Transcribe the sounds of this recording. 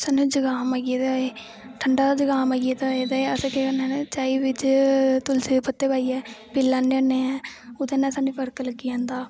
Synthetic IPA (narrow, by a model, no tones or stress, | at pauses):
sanũːd͡ʒəɡaːmaɡed̪aːeː | ʈʰəɳɖaːd̪aːd͡ʒəɡaːmaːɡied̪aeːd̪aːeəsekeənɛ̃ːnt͡ʃaːiːʋɪt͡ʃt̪ʊlsiːd̪eːpət̪ːeːbaːiɛːpɪlːãːneneːɛ̃ːʊd̪eːnɛ̃ːsaːnũːpəɾkəlkiãːnd̪aː